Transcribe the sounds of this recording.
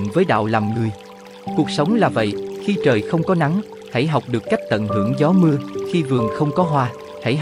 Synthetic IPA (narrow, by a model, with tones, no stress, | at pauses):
nvəː˨˦jɗa̰ː˧˨wlaː˨˩mŋɨ˨˩əj | ku˨˩ək̚sə˨˦wŋ͡mlaː˨˩və̰˧˨jxi˧t͡ɕəː˨˩jxə˧wŋ͡mkɔ˨˦na˨˦ŋ | ha̰˧˥jɦa˨˩wk͡p̚ɗɨ˨˩əkːa˦˥jk̚t̪ə̰˧˨nɦɨ̰˧˩əŋzɔ˨˦mɨ˧əxi˧vɨ˨˩əŋxə˧wŋ͡mkɔ˨˦ɦwaː˧ | ha̰˧˥j